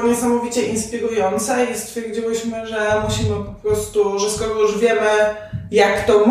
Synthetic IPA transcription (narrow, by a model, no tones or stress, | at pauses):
ɲɛsamɔvʲit͡ɕɛʔinspʲiɾujɔnt̪saist̪fʲjɛɾd͡ʑiwɘɕmɘʐɛmuɕimɘpɔpɾɔst̪uʐɛskɔɾɔjuʐvʲjɛmɘ | jakt̪ɔm